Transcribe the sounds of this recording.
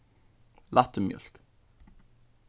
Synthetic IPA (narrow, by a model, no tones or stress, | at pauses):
lʔat̪əmjœ̰l̥k